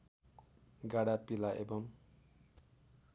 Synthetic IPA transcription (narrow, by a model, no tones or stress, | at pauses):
ɡaɽapilaʔḛbʌm